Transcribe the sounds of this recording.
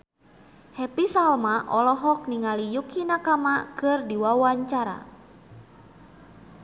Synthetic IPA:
hɛpisalmaʔɔlɔɦɔk̚niŋalijukinakamakɨrdiwawaɲt͡ʃaɾa̰

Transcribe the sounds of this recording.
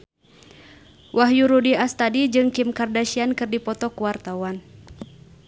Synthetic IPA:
wʔaɦjuɾudiast̪adid͡ʒɨŋkimkardaʃiankɨrdipɔt̪ɔkuwart̪awan

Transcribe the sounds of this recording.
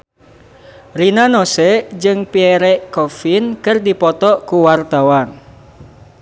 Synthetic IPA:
rinanosɛd͡ʒɨŋpiɛɾɛʔkɔfinkɨrdipɔt̪ɔʔkuwart̪awan

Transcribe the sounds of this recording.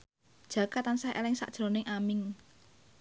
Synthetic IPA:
d̥ʒ̥ä̤kat̪ansahʔḛlɪŋsa̰ʔd̥ʒ̥ɾonɪŋʔamɪŋ

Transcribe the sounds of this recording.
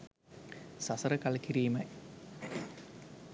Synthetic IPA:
sɐsɐɾɐkɐlɐkːiɾiːmɐj

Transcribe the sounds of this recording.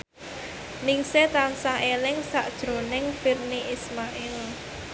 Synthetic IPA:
nɪŋset̪ansaɦelɪŋsaʔd̥ʒ̥ɾo̤nɪŋfirniʔismaʔɪl

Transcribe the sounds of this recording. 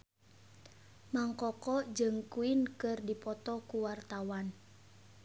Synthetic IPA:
maŋkɔkɔd͡ʒɨŋkuinkɨrdipɔt̪ɔkuwart̪awan

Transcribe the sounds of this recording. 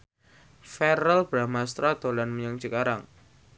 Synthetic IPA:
fɛɾəlb̥ɾamast̪ɾad̪̥o̤lanməɲaŋd͡ʒ̥əkaɾaŋ

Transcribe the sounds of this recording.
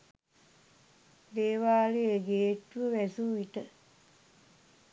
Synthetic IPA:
d̪eːʋaːleeɡeːʈʋəʋæsuʋiʈə

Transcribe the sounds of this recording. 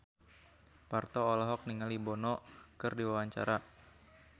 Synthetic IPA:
part̪ɔːlɔɦɔk̚niŋalibɔnɔkɨrdiwawaɲt͡ʃa̰ɾa

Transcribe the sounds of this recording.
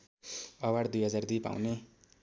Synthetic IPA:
ʌwaɽd̪ujɦʌd͡zard̪ipa̰wne

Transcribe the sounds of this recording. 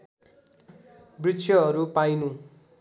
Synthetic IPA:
brit͡sʰjʌɦʌɾupajnũ

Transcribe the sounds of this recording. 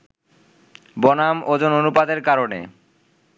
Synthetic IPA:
bɔnamod͡ʑononupad̪eɾkaɾonḛ

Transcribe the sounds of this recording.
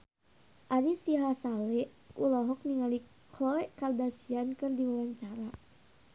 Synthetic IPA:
ʔaɾisiɦasalɛʔ | kulɔɦɔk̚niŋali | kʰlɔɛʔkaldasiankɨrdiwawaɲt͡ʃaɾa

